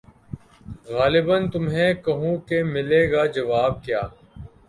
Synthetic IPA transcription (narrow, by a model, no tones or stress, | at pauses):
ɣaːlɪbənt̪ʊmɦẽːkəɦũːkemɪleːɡaːd͡ʒəʋaːb̚kjaː